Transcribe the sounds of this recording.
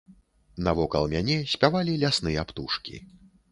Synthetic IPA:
nɐvɔkɐlˠmʲanʲɛsʲpʲavalʲilʲasnɨjapt̪uʂkʲḭ

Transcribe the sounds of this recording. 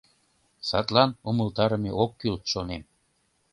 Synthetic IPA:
sɑ̰t̪lɑnuməlt̪ɑɾəmeʔokːylt̪ʃonem

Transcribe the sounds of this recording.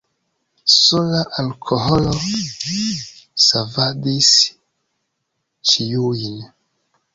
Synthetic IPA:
solaʔalkʰoholo | savadis | t͡ʃijuin

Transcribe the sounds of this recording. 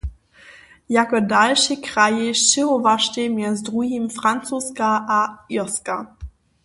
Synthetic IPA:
jakɔdalʃikʁajeʃʃɪʁɔvaʃtemjɛzdʁuɦimfɾant͡suskaʔaiska

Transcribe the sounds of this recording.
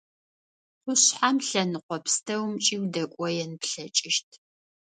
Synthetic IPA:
qʷʊɕħamɬɐnɨqʷɔpʰstʰɐwmt͡ʃʼiːwdɐkʷʼɔjɛnɨpɬɐt͡ʃʼɪʃtʰ

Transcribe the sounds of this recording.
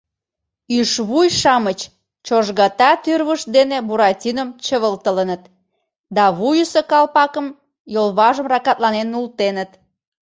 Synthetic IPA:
yʃβujʃɑmət͡ɕ | t͡ɕoʒɣɑt̪ɑt̪yrβəʃd̪enebuɾɑtʲinəmt͡ɕəβəlt̪ələnət̪̚ | d̪ɑβujusəkɑlpɑkəm | jolβɑʒəmrɑkɑt̪lɑnenult̪enət̪

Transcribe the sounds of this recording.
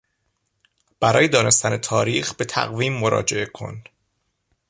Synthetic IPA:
b̥æɾɒ̰ːjed̪ɒːne̞st̪ʰæne̞t̪ʰɒːɾiːxbe̞t̪ʰæ̰ɣviːmːo̞ɾɒ̰ːd͡ʒe̞ʔe̞kʰo̞̰n

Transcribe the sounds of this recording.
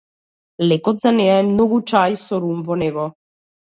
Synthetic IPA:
lɛkɔt̪zanɛaɛmnɔɡut͡ʃajsɔɾumvɔnɛɡɔ

